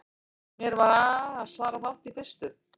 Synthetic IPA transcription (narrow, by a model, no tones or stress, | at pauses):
mjɛɾvaɾaaðsvaːɾafalt̪iθɛst̪ʏ